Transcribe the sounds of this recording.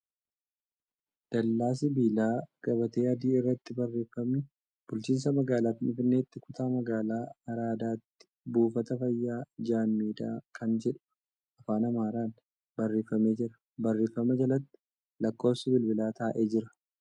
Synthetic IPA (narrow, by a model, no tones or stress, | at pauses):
d̪̥ɐlːaːs̬ɪbiːlaːɡ̥ɐbɐt̪e̞ːɐd̪iːɪrːɐt̪ːɪbɐrːe̞ːfːɐmnɪ | b̥ʊlt͡ʃiːns̬ɐmɐɡaːlaːt̪ɪnɪfɪnːe̞ːt̪ːɪkʊt̪aːmɐɡaːlaːɐɾaːd̪aːt̪ːɪ̥ | buːfɐt̪ɐfɐjːaːd͡ʒaːmːiːd̪aːkʰɐnd͡ʒɛᶑʊ̥ | ɐfaːnɐmaːɾaːn | bɐrːe̞ːfɐme̞ːd͡ʒɪɾɐ̥ | bɐrːe̞ːfːɐmɐd͡ʒɐlɐt̪ːɪ̥ | lɐkːo̞ːpsɪbɪlbɪlaːt̪aːʔe̞ːd͡ʒɪɾɐ